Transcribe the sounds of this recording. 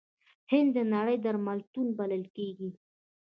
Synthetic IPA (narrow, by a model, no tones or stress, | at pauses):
hɪnd̪ːənaɽəjd̪aɾmalt̪unbaləlkeɡi